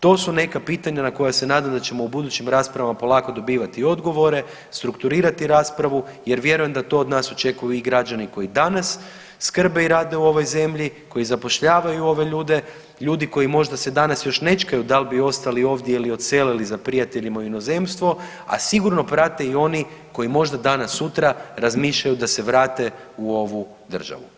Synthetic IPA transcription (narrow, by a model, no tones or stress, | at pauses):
t̪o̞ːsune̞kapiːt̪aɲanako̞jase̞naːd̪amd̪at͡ɕe̞mo̞ubud̪ut͡ɕimɾaːspɾaʋamapo̞lˠaːko̞d̪o̞biːʋat̪io̞d̪ɡo̞ʋo̞ɾe̞ | st̪ɾukt̪uɾiːɾat̪iɾaːspɾaʋuje̞ɾʋje̞ɾuje̞md̪at̪o̞ːd̪naːso̞t͡ʃe̞kujuiɡɾad͡ʒaniko̞jid̪anasː | kr̩be̞iɾaːd̪e̞uo̞ʋo̞jze̞mʎiko̞jizapo̞ʃʎaːʋajuo̞ʋe̞ʎuːd̪e̞ | ʎuːd̪iko̞jimo̞ʒd̪ase̞d̪anasjo̞ʃne̞t͡ʃkajud̪albio̞st̪alio̞ːʋd̪jeilio̞t̪se̞ːlelizapɾijat̪e̞ʎimauino̞ze̞mst̪ʋo̞ | a̰siɡuɾno̞pɾat̪e̞io̞niko̞jimo̞ʒd̪ad̪anasːut̪ɾaɾazmiːʃʎajud̪ase̞ʋɾaːt̪e̞ | uo̞ʋu | d̪r̩ʒa̰ʋṵ